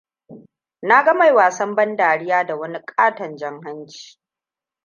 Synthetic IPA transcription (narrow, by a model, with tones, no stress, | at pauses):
na˦ɡɐ˦ma˨jwaː˨sɐ˦mbɐ˦ndaː˨ɽɪ˦jaː˦da˨wɐ˦ni˦kʼaː˦tɐ˨nd͡ʒɐ˦ŋɦa˦nt͡ʃi̥ː˨